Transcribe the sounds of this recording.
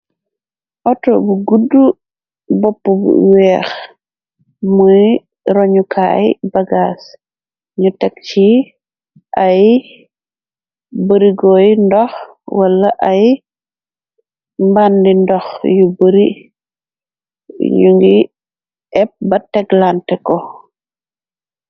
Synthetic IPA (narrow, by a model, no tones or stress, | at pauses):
ʔɔtɔbuɡudːu | bɔpːubṵwɛːx | muj | ɾɔɲukʰa̰jbɐɡas | ɲutɛk̚t͡ʃi | ʔaj | bəɾiɡɔjndɔx | wɐlːɐʔɐj | mbandindɔxjubəɾi | ɲuŋɡi | ɛp̚bɐtɛɡlantɛkɔ